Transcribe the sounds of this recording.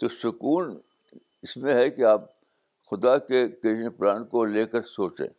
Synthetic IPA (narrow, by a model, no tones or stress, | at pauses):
t̪osʊkuːn | ɪsmẽɦɛkiaːp̚ | xʊd̪akekenipɾaːnkoleːkəɾsoːt͡ʃḛ̃ː